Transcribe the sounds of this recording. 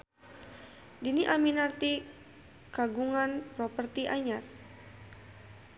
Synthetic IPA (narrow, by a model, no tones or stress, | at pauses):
diniʔaminart̪i | kaɡuŋanpɾɔpərt̪iʔaɲar